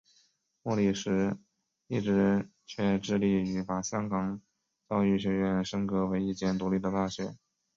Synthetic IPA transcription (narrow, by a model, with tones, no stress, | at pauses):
mɔ˥˩li˥˩ʂɻ̩˧˥ | i˥˩ʈ͡ʂɻ̩˧˥t͡ɕʰɥɛ˥˧ʈ͡ʂɻ̩˥˧li˥˩y˧˥pa˨˩ɕjɑ˥ŋkɑ˨˩ŋ | t͡ɕɑ˥˧ʊy˥˩ɕ̬ɥɛ˧˥ɥɛ˧˥nʂɤ˥ŋkɤ˧˥we˧˥ɪi˥˩t͡ɕjɛ˥˩nt̪u˧˥li˥˩d̪ə˩t̪a˥˩ɕɥɛ˨˩˦n